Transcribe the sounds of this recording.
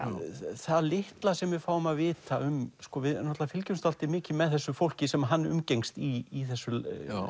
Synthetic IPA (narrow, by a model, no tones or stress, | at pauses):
θaðlɪht̪lasɛmvɪðfaːwʏmaðvɪːt̪aʏmskɔvɪðnɔt̪avafɪlcʏnst̪al̥t̪ɪmɪːcɪmɛðθɛsːʏfowl̥cɪsɛmɦanːʏ̰mcejŋst̪iːθɛsːʏ